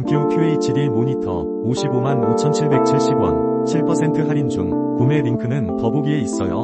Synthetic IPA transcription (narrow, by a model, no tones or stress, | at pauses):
ŋk͈ʰjokʰjueit͡ɕidimoɲitʰʌ̰ | oɕʰibomanot͡ɕʰʌnt͡ɕʰiɭbe̞k̚t͡ɕʰiɭɕ͈ibwʌ̰n | t͡ɕʰiɭpʰʌsʰe̞ntʰɯɦaɾind͡ʑuŋ | pume̞ɾiŋkʰɯnɯnpʌboɡie̞is͈ʌ̰jo̰